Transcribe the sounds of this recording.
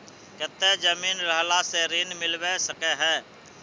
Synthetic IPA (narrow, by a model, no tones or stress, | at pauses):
kət̪ːed͡ʒəmiːnɾəɦlaseɾiːnmɪlwesəkeɦɛː